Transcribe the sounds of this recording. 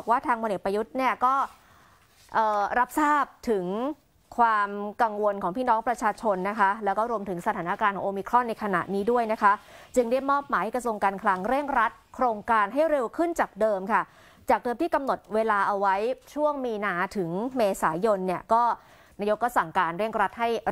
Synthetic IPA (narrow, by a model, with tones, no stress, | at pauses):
k̚waː˥˩t̪ʰaː˧ŋpʰo˧nʔe˨˩t̚pɾa˧ju˦˥t̪̚ni˥˩ɐkɔː˥˩ | ʔɤː˨˩ɾa˦˥p̚saː˥˩p̚t̪ʰɯ˨˩˦ŋ | kʰwaː˧mka˧ŋwo˧nkʰɔː˩˦ŋpʰiː˥˩nɔː˦˥ŋpɾa˧t͡ɕʰaː˧t͡ɕʰo˧nːa˦˥kʰa˦˥lɛː˦˥wkɔː˥˩ɾu˧əmt̪ʰɯ˩˦ŋsa˧t̪ʰaː˩˦na˦˥˩kaː˧nʰɔː˩˦ʔːmiː˧˥kʰɾɔ˥˩nːa˧jkʰa˧na̰˨˩niː˦˥du˥˩əjna˦˥kʰa˦˥t͡ɕɯ˧ŋda˥˩jmɔː˥˩p̚maː˨˦jha˥˩kɾsu˧əŋkaː˧nkʰla˧ŋɾe˥˩ŋɾa˦˥t̪̚kʰɾoː˧ŋkaː˧nɦa˥˩jɾe˧wkʰɯ˥˩nt͡ɕaː˨˩k̚dɤː˧mkʰa˥˩ | t͡ɕaː˨˩k̚dɤː˧mt̪ʰiː˥˩ka˧mno˨˩t̪̚weː˧laː˧ʔa˧wa˦˥jt͡ɕʰu˥˩əŋmiː˧naː˧t̪ʰɯ˩˦ŋmeː˧saː˩˦jo˧nːi˥˩ɐkɔː˥˩ | na˧jo˦˥kːa˧˩sa˨˩ŋkaː˧nɾe˥˩ŋɾa˦˥t̪̚ɦa˥˩j